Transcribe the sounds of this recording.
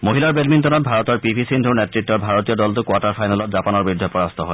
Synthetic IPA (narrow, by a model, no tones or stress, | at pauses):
moɦilaɹbelmintɔnɔt̚bʱaɹɔtɔɹpibʱisintʰunetɹik̚tːɔɹbʱaɹotiɔdɔltʊkwataɹpʰajnalɔtzapanɔɹbɹidʱːɔpɔɹast̪ʰɔɦɔj